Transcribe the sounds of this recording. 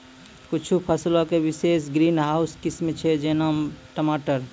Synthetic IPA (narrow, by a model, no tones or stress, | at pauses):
kʊt͡ʃʰupʰəslõkewɪseːsɡɾiːnɦaːʊskɪsmet͡ʃʰed͡ʒeːnaːmʈəmaːʈəɾ